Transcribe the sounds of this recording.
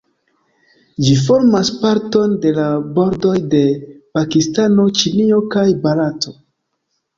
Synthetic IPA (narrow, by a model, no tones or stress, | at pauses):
d͡ʒif̬o̞ɾmaspaɾto̞nde̞labo̞ɾdo̞jde̞pakistano̞t͡ʃinio̞kajbalato̞